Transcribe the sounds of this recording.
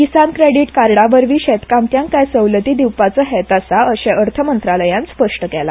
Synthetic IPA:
kisankɾeɽiʈkaɾɽaʋəɾʋiːɕɛt̪kamt̪jãŋkajsəwlət̪iːd̪iwpat͡səɦɛt̪asaəɕɛ̃ʔəɾt̪ʰəmənt̪ɾaləjãnspəʂʈəkɛla̰

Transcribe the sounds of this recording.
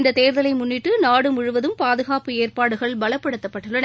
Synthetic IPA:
nd̪ɐt̪eːɾðɐlɐɪmʊnːɪʈːɯnaːɽɯmʊɻʊʋɐðɯmpaːðɯɣaːpɯeːrpaːɽɯɣɐɭbɐlɐpːɐɽɯt̪ːɐpːɐʈːɯɭːɐɳ

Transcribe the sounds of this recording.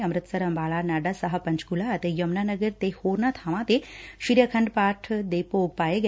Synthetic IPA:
ɐmɾɨt̪sɐɾɐmbʱaɭanaɖasɐɦəpɐɲt͡ʃkulaːt̪ejɐmnanəɡəɾt̪ehoɾnat̪ʰaʋãt̪eɕiɾjakʰɐɳɖpaʈʰd̪epoɡ̚pajeɡ

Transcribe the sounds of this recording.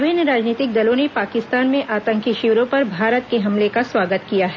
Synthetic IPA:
ʋeːnɾaːd͡ʒniːt̪ɪk̚d̪ɐlõnepaːkɪst̪aːnmẽʔaːt̪ə̃ŋkiʃɪʋɾõpɐɾbʱaːɾət̪keɦɐmlekasʋaːɡət̪kijaɦɛ

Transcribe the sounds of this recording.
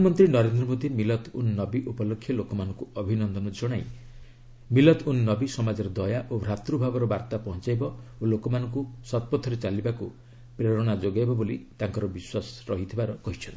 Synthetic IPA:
ɔnɔmɔnt̪ɾinɔɾend̪ɾɔmod̪imilɔt̪unnɔbiʔupɔlokʰːjɔlokɔmanɔŋkuɔbʱinɔnd̪ɔnɔd͡ʒɔɽ̃aj | milɔt̪ʰunnɔbisɔmad͡ʒɔɾɔd̪ɔjaʔobʱɾat̪ɾubʱabɔɾɔbaɾt̪apɔɦɔ̃t͡ʃajbɔolokɔmanɔŋkusɔt̪̚pɔt̪ʰɔɾet͡ʃalibaku | pɾeɾɔɽ̃ad͡ʒoɡajbɔbolit̪aŋkɔɾɔbiswasɾɔɦit̪ʰibaɾɔkɔɦit͡ʃʰɔnt̪i̥

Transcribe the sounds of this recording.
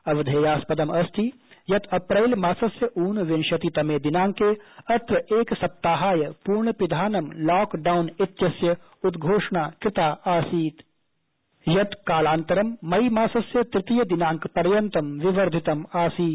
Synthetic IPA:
ɐʋd̪ʱeːjaːspɐd̪ɐmɐst̪ʰi | jɐt̪ɐpɾɐɪlmaːsɐsjɐʔuːnʋɪnʃɐt̪it̪ɐmeːd̪ɪnaːŋkeːɐt̪ɾɐeːksɐp̚t̪aːɦaːjɐpuːɾɳəpɪd̪ʱaːnɐmlɔːkɖaːwnɪt̪jɐsjɐ | ud̪ɡʱoːʂɳaːkɾɪt̪aːaːsiːt̪ | jɐt̪kaːlaːnt̪ɐɾɐmːɐjmaːsɐsjɐt̪ɾɪt̪ijɐd̪ɪnaːŋkpɐɾjɐnt̪ɐmʋɪʋɐɾd̪ʱɪt̪ɐmaːsiːt̪

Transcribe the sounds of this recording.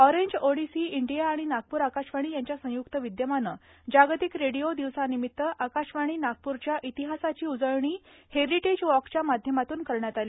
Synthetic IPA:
ɔɾeɲd͡ʑoɽisiiɳɖijaːɽ̃inaɡ̚puːɾakaɕʋaɽ̃iːjaɲt͡ɕjasə̃jukt̪əʋid̪jəmanə | d͡ʑaɡt̪ikɾeɽijod̪iʋsanimit̪ːəʔakaɕʋaɽ̃iːnak̚puɾt͡ɕjaʔit̪iɦasat͡ɕiːud͡zəɭɳiː | heɾiʈed͡ʑʋɔkt͡ɕjamad̪ʱjəmat̪uːnkəɾɳjat̪ali

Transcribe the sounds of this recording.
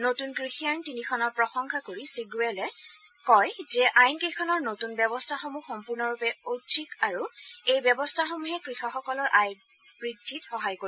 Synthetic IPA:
notunkɹixijantinikʰɔnɔɹpɹɔxɔŋkʰakoɹisiɡuɛlɛ | kɔjzɛʔajnkejkʰɔnɔɹnotunbɛbɔstʰaxomuxɔmpuɹnɔɹupɛotʃikaɹuejbjɛbɔstʰaxomuɦɛkɹixɔxɔkɔlɔɹʔaj | b̥ɹidʱːitxɔɦajko

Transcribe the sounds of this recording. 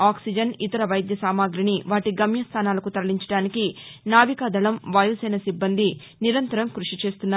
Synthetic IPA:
aːksid͡ʒɐnit̪ɐɾɐʋɐjd̪jɐsaːmaːɡɾiɳiʋaːʈiɡɐmjɐst̪ʰaːnaːlɐkut̪ɐɾɐliɲt͡ʃɐ̥ɽaːnikinaːʋikaːd̪ʱɐɭɐmʋaːjusɐjnɐsibːɐnd̪i | niɾɐnt̪ɐɾɐmkɾuʂit͡ʃe̞ːst̪unːa

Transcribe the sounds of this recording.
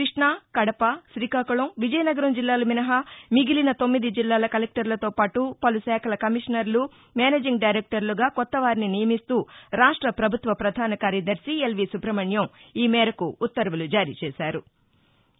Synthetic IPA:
kɾiʂɳaːkɐɽɐpɐʃɾiːkaːkuɭɐmʋid͡ʒɐjɐnɐɡɐɾɐmd͡ʒilːaːlɐminɐɦɐmiɡilinɐt̪omːid̪id͡ʒilːaːlɐkɐlek̚ʈɐɾlɐt̪o̞ːpaːʈupɐlusɛːkʰɐlɐkɐmiʂɐnɐɾlu | maːneːd͡ʒiŋɡɖajɾek̚ʈɐɾluɡaːkɔt̪ːɐʋaːɾininijɐmist̪uːɾaːʂʈɾɐpɾɐbʱut̪ʋɐpɾɐd̪ʱaːnɐkaːɾjɐd̪ɐɾsielʋisupɾɐmɐɳjɐmiːmɛːɾɐkuːt̪ːɐɾʋulud͡ʒaːɾiːt͡ʃɛːʃaːɾu

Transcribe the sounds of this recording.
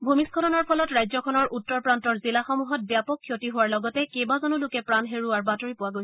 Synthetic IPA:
bʱumiskʰɔtɔnɔɹpʰɔlɔtɹajzɔkʰɔnɔɹʔutːɔɹpɹantɔɹzilaxɔmuɦɔt̚bjapɔkʰːjotiɦʊwaɹlɔɡɔtɛkejbazɔnulʊkɛpɹanɦeɹuaɹbatoɹipʊwaɡojsɛ̥

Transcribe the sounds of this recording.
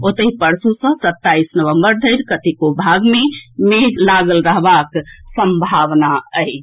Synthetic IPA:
ot̪əɦipəɾsusə̃sət̪ːaisnəʋəmbəɾd̪ʱəɪɾkət̪ikobʱaɡmemelaɡəlɾəɦbaksəmbʱaʋnaəj

